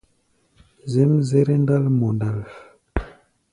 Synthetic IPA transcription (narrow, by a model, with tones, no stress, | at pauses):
zɛ˦mze˦ɾe˦nda˦lmɔ˨nda˦˨l